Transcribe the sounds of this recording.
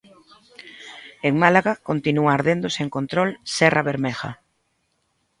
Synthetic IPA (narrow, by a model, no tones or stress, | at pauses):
eŋmalaɣakont̪inuaːɾðend̪oseŋkont̪ɾolsɛrʔaβeɾmɛxa̰